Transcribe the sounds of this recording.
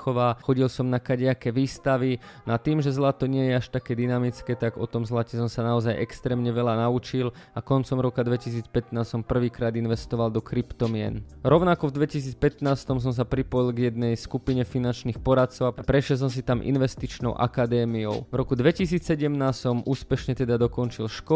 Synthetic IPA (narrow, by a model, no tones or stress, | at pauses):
xɔʋaːxɔɟilsɔmnakaɟɪakɛʋiːst̪aʋi | nat̪iːmʒɛzlat̪ɔɲɪɛjɛaʃt̪akɛːd̪inamit͡skɛːt̪aɡɔt̪ɔmzlacɛsɔmsanaɔzajʔɛkst̪ɾɛːmɲɛʋɛlanaut͡ʃilakɔnt͡sɔmɾɔkad̪ʋɛcisiːt͡spɛt̪naːssɔmpr̩ʋiːkɾaːd̪inʋɛst̪ɔʋald̪ɔkɾipt̪ɔmɪɛ̰nɾɔʊnakɔvd̪ʋɛcis̬iːt͡spɛt̪naːst̪ɔms̬ɔms̬apɾipɔjilˠɡjɛd̪̚nɛjskupiɲɛfinant͡ʃniːxpɔɾat̪̚t͡sɔʊaapɾɛʃjɛlˠs̬ɔms̬it̪amʔḭnʋɛst̪it͡ʃnɔ̰ʊʔa̰kad̪ɛːmiɔ̰ʊvɾɔkud̪ʋɛcisiːt͡ssɛɟɛmnaːssɔmʔuːspɛʃɲɛt̪ɛd̪ad̪ɔkɔnt͡ʃilʃkɔ